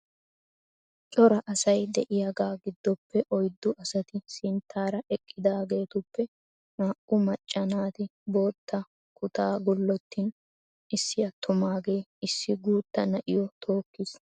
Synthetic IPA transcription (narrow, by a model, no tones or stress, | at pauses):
t͡ʃʼɔɾɐʔɐsɐjd̪ɛʔɪjɐɡaːɡɪd̪ːɔpːɛʔɔjd̪ːʊʔɐsɐt̪ɪsɪnt̪ʰːaːɾɐʔɛkʼːɪd̪aːɡe̞ːt̪ʊpːɛ | naːʔʊmɐt͡ʃʼːɐnaːt̪ɪbo̞ːt̪ʰːɐ | kʊt̪aːɡʊlːɔt̪ːiːn | ʔɪsːɪjɐt̪ʰːʊmaːɡe̞ːɪsːɪɡuːt̪ːɐnɐʔɪjɔt̪ʰo̞ːkːis